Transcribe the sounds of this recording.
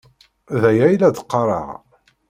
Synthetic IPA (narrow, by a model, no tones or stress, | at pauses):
ðæjæjlæd̪əqːɑɾˤɑ̰ʁ